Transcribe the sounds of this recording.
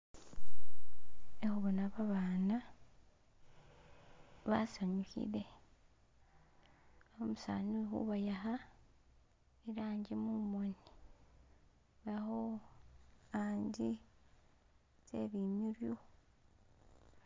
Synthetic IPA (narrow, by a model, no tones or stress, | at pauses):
exuβonaβaβaːna | βasaɲuhḭle̞ | omusa̰ːnuxṵβajaha | iɾaːɲɟemumoni | βaho | aːɲɟi | ze̞̰βimiɾjo